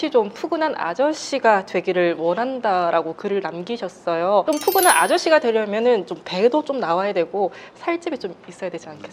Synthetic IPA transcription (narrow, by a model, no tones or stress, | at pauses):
it͡ɕompʰuɡɯnɦana̰d͡ʑʌɕ͈iɡatwe̞ɡiɾɯɭwʌnɦandaɾaɡokɯɾɯɭnamɡiɕʰʌs͈ʌjot͡ɕompʰuɡɯnana̰d͡ʑʌɕ͈iɡadwe̞ɾjʌmjʌnɯnt͡ɕompe̞dot͡ɕ͈omnawajadwe̞ɡosʰaɭt͡ɕ͈ibit͡ɕ͈omis͈ʌjadwe̞d͡ʑiankʰes͈